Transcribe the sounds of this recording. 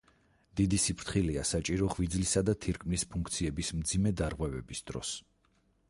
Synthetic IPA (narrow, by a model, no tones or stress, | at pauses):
d̪̥id̪isipʰɾt̪χiliasat͡ʃʼiɾɔʁvid̪zlisad̪at̪ʰiɾkʼʰmnispʰuŋkʰt̪sʰiɛbismd̪zimɛd̪aɾʁwɛvɛbisd̪ɾɔ̰s